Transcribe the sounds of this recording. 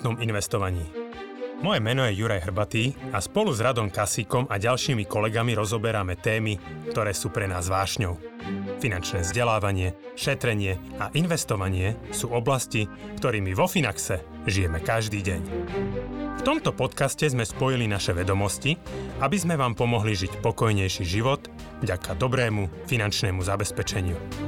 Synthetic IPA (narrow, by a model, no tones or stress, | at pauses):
nɔminʋɛst̪ɔʋaɲiː | mɔjɛmɛnɔjɛjuɾajɦr̩bat̪iːaspɔluzɾad̪ɔmkasikɔmaɟalʃiːmikɔlɛɡamiɾɔzɔbɛɾamɛt̪ɛːmikt̪ɔɾɛːsuːpɾɛnaːzʋaːʃɲɔʊfinant͡ʃnɛːvzɟɛlaːʋaɲɪɛ | ʃɛt̪ɾɛɲɪɛaʔinʋɛst̪ɔʋaɲɪɛsuːɔblascikt̪ɔɾiːmiʋɔfinaksɛ | ʒijɛmɛkaʒd̪iːɟɛɲ | ft̪ɔmt̪ɔpɔt̪kascɛzmɛspɔjilinaʃɛʋɛd̪ɔmɔsciabizmɛʋaːmpɔmɔɦliʒicpɔkɔjɲɛjʃiːʒiʋɔt̪ | vɟakʰad̪ɔbɾɛːmufinant͡ʃnɛːmuzabɛspɛt͡ʃɛɲɪu